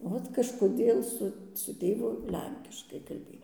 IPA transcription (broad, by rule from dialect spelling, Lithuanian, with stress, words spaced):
ˈʋoːt kɐʃkoːˈdʲeːlˠ ˈsʊ sʊ ˈtʲeːʋʊ ˈlʲɛŋʲkʲɪʃkɐɪ kɐlʲˈbʲeːj